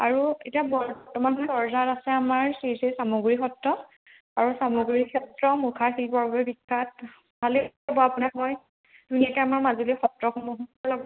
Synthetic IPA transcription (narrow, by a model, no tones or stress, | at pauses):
aɹuetijabɔbtɔmanɦɔjsɔɹzaɹasɛamaɹsiɹsesamuɡɹixɔtɹɔ | aɹusamuɡɹikʰɛtɹɔmukʰaɹxilpɔɹbabɛbikʰːat̚ | bʱali | bɔapunamɔj | dunijakɛamaɹmazulixɔtɹɔxumuɦuɔlɔɡ